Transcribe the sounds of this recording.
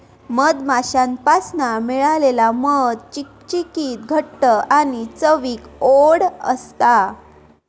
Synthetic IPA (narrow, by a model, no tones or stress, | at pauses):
məd̪maɕãnpasnamiɭalelaməd̪t͡ɕi | t͡ɕikiːt̪̚ɡʱəʈːəʔañit͡səʋiːkoɽə̰st̪a